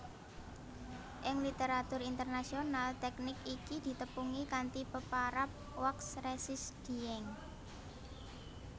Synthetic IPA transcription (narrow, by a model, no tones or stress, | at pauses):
ʔɪŋlit̪eɾat̪ʊɾint̪ərnasionalt̪ɛknɪkikid̪̥i̤t̪əpuŋikant̪ipəpaɾap̚wɔksɾesɪsd̪̥i̤ɛŋ